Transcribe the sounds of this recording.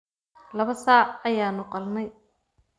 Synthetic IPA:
lɐβɐsaːʕɐjaːnʊqɑlnɛj

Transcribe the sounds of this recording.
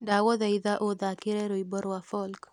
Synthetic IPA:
dawɔðaiðaʔod̪akɪɾɛɾoibɔɾwafɔlk

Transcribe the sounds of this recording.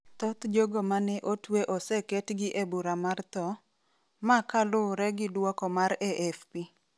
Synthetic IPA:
t̪ɔt̪d͡ʒoɡomanɛʔotweʔɔsɛketɡɪʔebuɾamart̪ɔ | makalʊɾɛɡɪdwɔkɔmaɾɛʔɛfpi

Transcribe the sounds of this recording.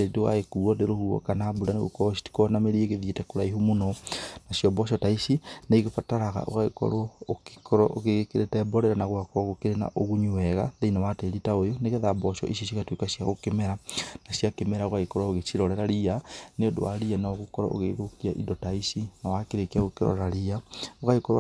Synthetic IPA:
edewa̰ekuɔdeɾohuɔ̰kanabudaneɣo̰kɔɔs̬i̥ti̥kɔnameɾieɣeðitɛkoɾaiɦumonɔnasjɔbɔʃ̬ɔtaisinaiɣefataɾaɣa̰ʔo̰ɣaɣekɔ̰ɾwɔoki̥kʰɔɾɔʔoɣeɣekeɾetɛbɔɾɛɾanaɣwakɔɣokeɾena̰ʔoɣuɲuwɛɣa̰ðeinawatɛɾitaojoneɣeðabɔʃɔ̰ʔiʃ̬is̬iɣatwekasjaɣokemɛɾanasjakemɛɾaoɣaikɔɾwaoɣet͡ʃiɾɔɾɛɾaɾianeodo̰a̰ɾianaoɣukɔɾɔ̰o̰ɣeɾokiaʔḭdɔtaisinawakeɾekiaɣokeɾɔ̰ɾaɾiaoɣaikɔɾ̰

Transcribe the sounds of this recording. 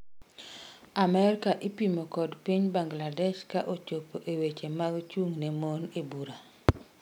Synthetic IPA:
amɛɾkaʔipimokɔdpiɲbaŋɡladɛʃkaʔot͡ʃopoʔewet͡ʃemaɡt͡ʃuŋnemonebuɾa

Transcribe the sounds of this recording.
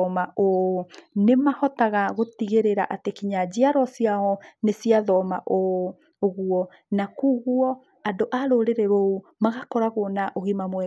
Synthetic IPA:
ɔmaʔo | nemahɔtaɣaɣotiɣeɾeɾa̰ʔatekiɲad͡ʑiaɾɔsjaɔnesiaðɔmaʔo | oɣuɔ | nakuɣuɔ | adoʔaɾoɾeɾeɾoumaɣakɔɾaɣonaʔoɣimamwɛ

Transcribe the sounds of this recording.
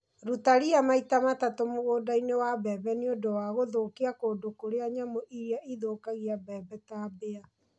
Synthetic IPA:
ɾutaɾiamaitamatatomoɣoːdainewabɛbɛneodowaɣoðokiakoːdokoɾeaɲamoʔiɾiaʔiðokaɣiabɛːbɛtaːbea

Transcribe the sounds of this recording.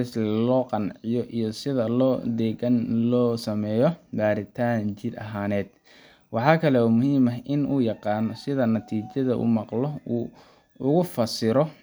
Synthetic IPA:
ɪsllɔːqɑnʕɪjɔʔijɔsɪðɐlɔːd̪ɛːɣɐnlɔːsɐmɛːjɔbaːɾɪt̪ʰaːnt͡ʃɪd̪ɐ̰ɦaːnɛːd̪̥ | wɑħɑːkʰɐlɛɔːmʊhiːmɐɦʔɪnuːjɑqɑːnɔsɪðɐnɐt̪ʰiːt͡ʃɐðɐʔṵːmɑqlɔuː | ʊɣʊfɐsɪɾɔ

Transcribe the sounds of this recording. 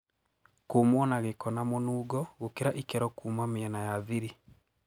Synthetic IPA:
koːmwɔnaɣekɔnamonuːɡɔɣokeɾaʔikɛɾɔkuːmameɛnajaðiɾi

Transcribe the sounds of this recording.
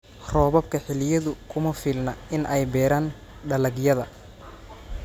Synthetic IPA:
rɔːβɐb̚kʰɐħɪlɪjɐðʊkʰʊmɐfiːlnɐɪnʔɛjbɛːɾaːn | ɖɐlɐɡjɐðɐ

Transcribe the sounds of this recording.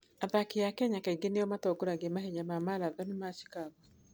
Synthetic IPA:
aðakeakɛɲakaiɡenejɔmatɔɡoɾaɡemaɦeɲamamalaðɔnemaʃi̥kaɣwa

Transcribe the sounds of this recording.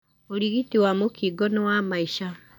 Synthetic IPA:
oɾiɣitiwamokiɡɔnɔwamaiʃa

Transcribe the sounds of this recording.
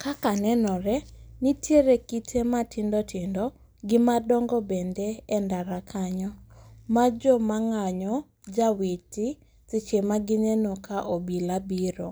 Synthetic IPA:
kakanɛnɔɾɛnitjeɾekitʰematɪndɔtʰɪndɔ | ɡɪmadɔŋɡɔbendeɛndaɾakʰaɲɔmad͡ʒɔmaŋaɲɔ | d͡ʒaweti | t͡sɪt͡ʃemaɡɪnɛnɔkʰaʔobilabiɾo

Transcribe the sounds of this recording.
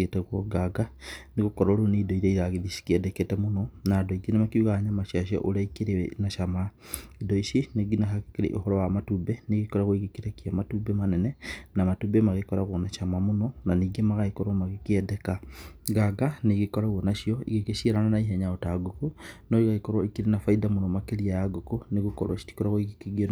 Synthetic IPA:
etɛɣwɔɡaɡaneɣokɔɾaoɾoneidɔiɾɛiɣaɣeðisi̥kiɛdɛketɛmonɔnadɔiɡinamakiuɣaɲamaʃiaʃ̬iɔ̰ʔoɾaikeɾenaʃamaidɔisineɡinaɦakkeɾḛʔohɔɾɔwamatubɛneɣekɔɾaɣoiɣekeɾekiamatubɛmanɛnɛnamatubemaɣekɔɾaɣwonaʃamamonɔnaniɡemaɣaikoɾamaɣikiɛdɛkaɣaɡaneɣikɔɾaɣwɔnaʃiɔḭɣekeʃiɾananaiɦɛɲaotaɡokonoiɣaikoɾwaikiɾenafaidamonɔmakeɾiajaɡokoneɣukɔɾa̰ʃi̥ti̥koɾaɣwoiɣikeɣie

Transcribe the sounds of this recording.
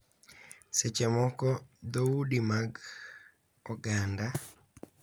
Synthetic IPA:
set͡ʃɛmɔkɔd̪oudimaɡ | ɔɡanda

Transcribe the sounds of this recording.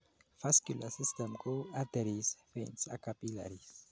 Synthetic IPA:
faskulasistɛmkuad̪ɛɾisfensakapila̰ɾis

